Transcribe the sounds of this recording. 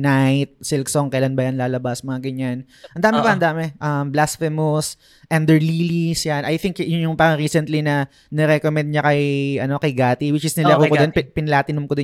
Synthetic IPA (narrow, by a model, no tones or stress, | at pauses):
najt̪̚sɪlksoŋkɐjlanbɐjanlaːlɐbasmɐŋaɡɐɲːan | ʔɐnd̪aːmɪpɐʔɐnd̪aːmɛʔɐmblasfɛmos | ʔɛnd̪ɛɹlilisjanʔɐjθɪŋkjʊjʊŋpɐɐɾiːsɛnt̪linɐ | nɛɾɛkomɛnd̪̚ɲɐkɐjʔɐno̞kɐjɡaːt̪iwɪt͡ʃɪsnɪlɐɾuːkod̪onpɪnɐlaːt̪ɪnʊmkod̪ɪ